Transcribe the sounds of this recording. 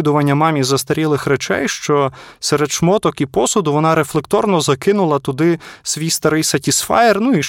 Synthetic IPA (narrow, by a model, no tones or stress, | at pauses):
d̪ʊʋɐnʲːɐmɑmʲizɐst̪ɐɾʲilˠɪxɾet͡ʃɛ̰jʃt͡ʃɔsɛɾed̪ʃmɔt̪ɔkipɔsʊd̪ʊʋɔnɑɾeflˠekt̪ɔrnɔzɐkɪnʊlˠɐt̪ʊd̪ɪsʋʲijst̪ɐɾɪjsɐtʲisfɑ̰jernuiʃ